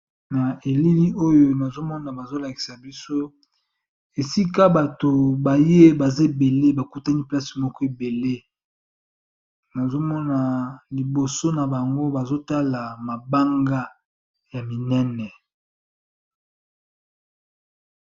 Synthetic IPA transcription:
na˨e˨li˦li˦ʔo˦jo˦na˨zo˦mɔ˦na˨ba˨zo˦la˨ki̥˨sa˨bi˦so˦ | e˨si˦ka˦ba˨to˨ba˨je˦ba˨za˦e˨be˨le˦ba˨ku˦ta˦ni˦pla˦si̥˨mɔ˦kɔ˦e˨be˨le˦ | na˨zo˦mɔ˦na˨li˨bo˨so˦na˨ba˨ŋɡo˦ba˨zo˦ta˦la˨ma˨ba˦ŋɡa˦ | ja˨mi˨nɛ˦nɛ˨

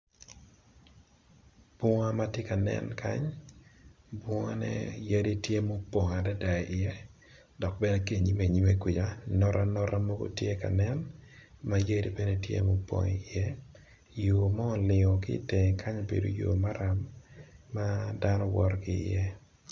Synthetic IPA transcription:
b̥ɔ˦ŋa˦ma˦tje˦ka˨nɛ̰˦nkʰa̰˦ɲ | bɔ˦ŋa˦nɛ̰˦je˦di˦tje˦mo˦po˨ŋa˨da˦da˨ʔɪ˨jɛ˦ | dɔ˨k̚bɛ˦nɛ˦ke˦˨ɲi˦me˨ɲi˦me˦ki˨d͡ʒa˨nɔ˦ɾʔa˦nɔ˦ɾa˦mo˦ɡo̰˦tje˦ka̰˨nɛ˦nma˦je˦di˦bɛ˦nɛ˦tjḛ˦mo˦pɔ̰˨ŋḛ˨ɪ˨jɛ˦ | jo˨mɔ˦ɔ˨lɪ˨ŋɔ˨kɪ˦˨te˨ŋ˨kʰa˦ɲo˨bḛ˨do̰˨jo̰ː˨ma˦ɾa˨mː | a˦da˦nɔ˦wɔ˦ɾkɪ˨ɪ̰˨jɛ˦

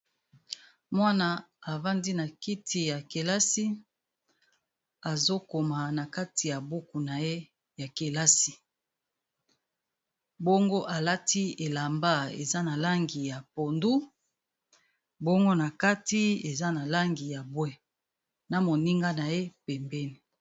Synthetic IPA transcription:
mwa˦na˨a˨va˦ndi˦na˨ki˦tʰi˨ja˨ke˨la˦si˦ | a˨zo˦ko˨ma˨na˨ka˦ti˨ja˨bu˦ku˨na˨je˦ | ja˨ke˨la˦si˨ | bo˦ŋɡo˦ʔa˨la˦ti˦e˨la˨mba˦ḛ˨za˦na˨la˦ŋɡi˨ja˨po˨ndu˦ | bo˦ŋɡo˦na˨ka˦ti˦e˨za˦na˨la˦ŋɡi˨ja˨bwɛ˦ | na˨mo˨ni˦ŋɡa˦na˨je˦pɛ˨mbɛ˦ni˨

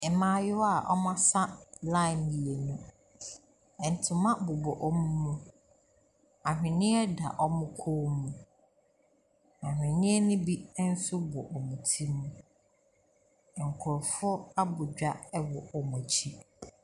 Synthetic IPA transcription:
ɛ˨mãː˦jʊ˦wa˦˨ʔɔ̰˦mã˦sa˦lã˦ɪ˨mi˨je˨nũ˦ | ɛ̃˨n̩˨tʰʊ̃˨mã˦bʊ˨bɔ˨ʔɔ˦mũ˦mũ˦ | a˨ɦᶣɪ̃˨nɪ̃˦ɛ˦da̰˨ʔɔ˦mʊ̃˦kʰoː˦mũ˨ | ã˨hᶣɪ̃˨nɪ̃˦ɛ˦nʊ̃˦bi˦n̩˦sʊ˦bɔ̰˨ʔɔ˨mũ˨tʰi˦mmːũ˦˨ | ŋ̩˨kʰʊ˨ɾfʊ˦ɔ˦a˦bʊ˨d͡ʑᶣa˦ɛ˦wɔ˨ɔ˨mɔ̃˨t͡ɕʰi˦

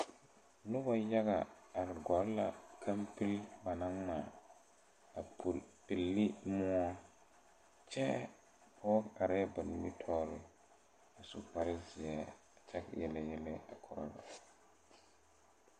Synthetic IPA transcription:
nʊ˦ba˨ja˦ɣa˨a˨ɾɪ˨ɡɔ˨˦lla˨kʰa˦mpɪ˦lba˨na˦ŋma˨ | a˨pɪ˨lːɪ˦mʊ˦ɔ˦ | t͡ʃɛ˦ | a˨wɔ˦ka˨ɾɪ˦a˦ba˨nɪ˨˦mi˦tʰɔː˦ɾɪ˦ | a˨sʊ̰˨pa˨ɾɪ˦zɪ˨ɛ˦ | a˨t͡ʃɛ˦kjɛ˨la˨jɛ˦lɪ˦a̰˨kʰɔ˨ɾɔ̰˨la̰˨

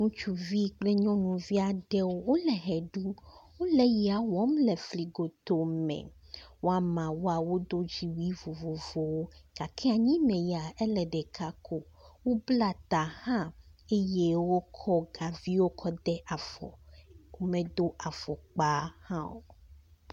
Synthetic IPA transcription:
ŋũ˦t͡ʃu˦vi˦k͡plɛ˦ɲɔ̃˦nũ˨vi˦a˨ɖɛ˦wo˦wo˦lɛ˨ɦɛ˨ɖu˦wo˦lɛ˨ji˨a˨wɔ˨˦mlɛ˨fli˨ɡo˨t̪o˨mɛ̰̃˨ | wo˦a˨mã˨wo˦a˨wo˦d̪o˦d͡ʑi˨wi˦vo˨vo˨vo˨wo˦ɡ̥a˨kʰɛ˦a˨ɲĩ˦mɛ̃˨ja˨ɛ˦lɛ˨ɖɛ˨kʰa˦kʰo˦wo˦bla˦˨t̪a˨hã˦e˦je˦wo˦kʰɔ˦ɡa˨vi˦wo˦kʰɔ˦d̪ɛ˦ʔa˨fɔ̰˨wo˦mɛ̃˨d̪o˦ʔa˨fɔ˨k͡pa˦hã˦wo̰˨

